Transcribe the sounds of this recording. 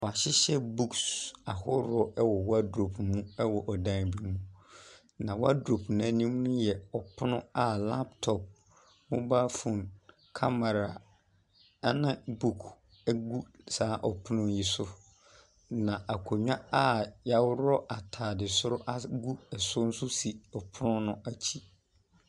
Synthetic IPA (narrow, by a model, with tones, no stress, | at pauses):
wɔ˨a˨ɕɪ˦ɕɛ˦bu˦ksa˨hʊ˦ɾɔ˦ʔɛ˦wɔ˨wa˦dɾo˨pʰmũ˦ɛ˦wɔ˨ʔɔ˨dã˦˨bi˦mũ˦ | nã˨wa˦dɾo˨pʰn˨ã˨˦nĩ˦m̃˦nũ˦jɛ˨ɔ˨pʰʊ˦nʊ̃˦a˦la˦ptʰɔ˨p̚ | mʊ̃˦baː˦fũ˨n | kʰa˦ma˨ɾa˨ | a˦nã˦bu˦˨kʰ | ɛ˦ɡu˦ | saː˨˦ʔɔ˨pʰʊ˦nʊ̃˦ji˨sʊ˦ | nã˨ʔa˨kʰo˨ɲᶣã˦a˦ja˦wʊ˦ɾɔ˦ʔa˨tʰaː˨dɪ˨sʊ˦ɾʊ˦ʔa˦ɡu˦ɛ˨sʊ˦n̩˦sʊ˦si˨ɔ˨pʰʊ˦nʊ̃˦nʊ̃˦ʔa˦t͡ɕʰi˦